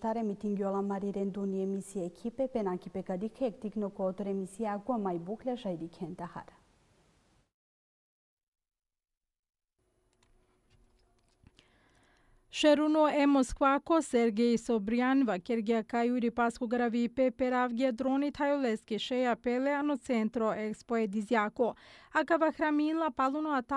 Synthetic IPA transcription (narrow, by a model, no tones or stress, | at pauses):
t̪aɾemit̪iŋɡjolˠamaɾiɾend̪uniemisieːkʰipepenakipekad̪ixʰek̚t̪iknokoːt̪ɾemisiakuamajbuklʲaʃajd̪ikʰɛnt̪aha̰ɾ | ʃeɾunoemoskʋakoseɾɡejsobɾianʋakeɾɡiakajuɾipaskoɡaɾaʋipepeɾavɡiad̪ɾonit̪ʰajoleskiʃejapeleanot̪sent̪ɾoʔekspoed̪izjakoakaʋaxɾamilapalˠunoat̪a